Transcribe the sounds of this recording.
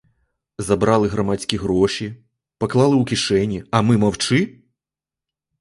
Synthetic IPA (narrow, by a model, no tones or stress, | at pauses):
zɐbɾɑlˠɪɦɾɐmat̪ʲsʲkʲiɦɾɔʃʲi | pɐklˠɑlˠɪwkʲiʃɛnʲiɐmɪmɐwt͡ʃɪ